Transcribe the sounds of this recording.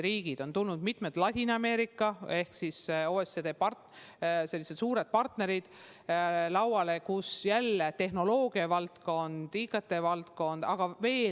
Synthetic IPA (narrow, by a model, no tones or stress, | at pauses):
ɾiːɡ̥id̪̥o̞nt̪ulnud̪̥mit̪ˑmet̪lɑt̪ʲinɑme̞ːɾikːˑɑe̞hksisoːesed̪eːpɑrtse̞lːised̪suːɾed̪̥̚pɑrt̪ne̞ɾid̪̥ | lɑwwɑlekusjælːet̪e̞ɦno̞lo̞ːɡiɑvɑlt̪ko̞nd̪̥ikːˑɑt̪ːˑe̞vɑlt̪ko̞nd̪̥ɑɡ̥ɑve̞ː